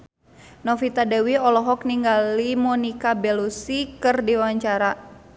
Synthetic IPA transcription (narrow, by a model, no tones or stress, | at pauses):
nɔfit̪adɛwiɔlɔɦɔk̚niŋɡalimɔnikabɛlusikɨrdiwaɲt͡ʃaɾa